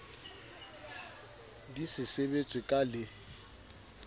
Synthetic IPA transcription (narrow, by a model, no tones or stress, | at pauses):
disɪsebet͡sʼwɪkʼalɪ